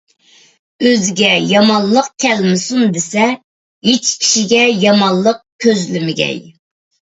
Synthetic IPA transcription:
øzɡʲɛjɑmɑnllˠəqkʲʰɛlmɪsund̪ɪsɛ | jet͡ʃkʲʰi̥ʃiɡʲɛjɑmɑnlˠːəq̚kʲʰøzlɪmɪɡʲɛ̰j

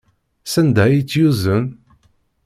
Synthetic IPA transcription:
sænd̪æjit͡sːjuzən

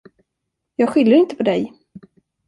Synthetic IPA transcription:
jɑːɡɧʏlːəɾɪnt̪ə̥pʰɔd̪ɛj

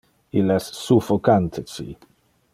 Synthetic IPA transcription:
ilɛssufɔkant̪ʰɪt͡sḭ

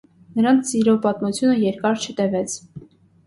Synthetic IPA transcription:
nəɾɑnt͡sʰsiɾɔpɑt̪mut͡sʰjunəjɛɾkɑɾt͡ʃʰət̪ɛvɛt͡sʰ

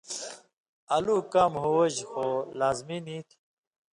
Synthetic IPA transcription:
ɐluːkamɦuwɐʑxolaːzminit̪ʰi

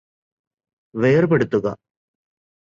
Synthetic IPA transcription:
ʋeːrpeɽut̪ːuɣɐ̰

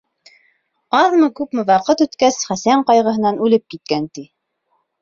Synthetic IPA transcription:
ɑðmɤkʉpmɘwɑqɤt̪ʉt̪kæsχæsæɴqɑjʁɤ̆ɦɤ̆nɑnʉlɘp̚kit̪̚kænt̪i

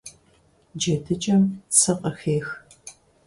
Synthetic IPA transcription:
d͡ʒɐtʰɨt͡ʃʼɐmsʰɐqʼɐxeːx

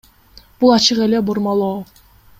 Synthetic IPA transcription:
b̥ulˠɑt͡ʃɯʁe̞leboɾmɑlˠoː

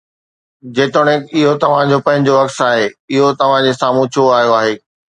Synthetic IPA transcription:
d͡ʑeːt̪oɽ̃ẽɪɦot̪ɐʋ̤ãd͡ʑopɐ̃ɦɪ̃ɲd͡ʑoɐkt̪aːɦeːɪɦot̪ɐʋ̤ãd͡ʑesaːmũt͡ɕʰoaːɦijoaːɦeː

